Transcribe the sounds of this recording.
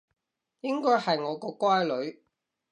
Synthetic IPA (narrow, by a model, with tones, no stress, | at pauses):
jɪ˥ŋkɔː˥jhɐ˨jŋɔː˨˧kɔː˧kwaː˥jlɵ˨˧ɥ